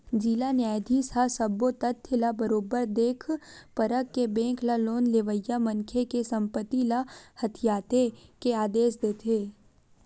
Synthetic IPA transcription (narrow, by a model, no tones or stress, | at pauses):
d͡ʒiːlanjaːjd̪ʱisasɐbot̪ət̪ʰːɪlabəɾoːbəɾd̪eːkʰpɐɾəkːebɛ̃ːklaloːnleʋəjːamɐ̃ŋkʰekesɐ̃mpət̪ilahɐt̪ʰijaːt̪ekeaːd̪eːsd̪eːt̪ʰeː